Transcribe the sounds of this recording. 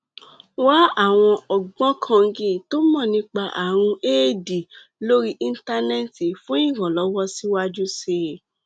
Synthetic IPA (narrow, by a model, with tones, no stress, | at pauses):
wa˦a˦˨w̃ɔ̃˧ɔ˨ɡ͡bɔ̃˦kʰã˧ŋ̩˧ɡĩ˦˨to˦mɔ̃˦˨nĩ˧˦k͡pa˧ʔa˨ɾ̃ũ˧eː˦˨di˨ | lo˦ɾi˦ʔĩ˦n̩˦ta˧nɛ˦ti˨fũ˦ĩ˦˨ɡɔ̃˨lɔ˨˦wɔ˦si˦wa˦d͡ʒu˦se˧